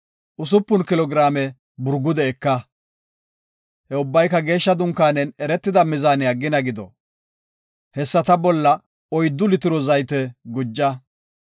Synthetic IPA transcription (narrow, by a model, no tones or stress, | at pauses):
ʔʊs̬ʊpːʊnkɪlɔɡɪɾaːmɛ | bʊɾɡʊd̪ɛːkːɐ | hɛʊbːɐjkːɐɡe̞ːʃːɐd̪ʊŋkːaːnɛnɛɾɛt̪ːɪd̪ɐmɪzaːnɪɐɡːɪnɐɡɪd̪ɔ | hɛsːɐt̪ɐbɔlːɐ | ɔjd̪ːʊlɪt̪ɪɾɔzɐjt̪ɛɡʊd͡ʒːɐ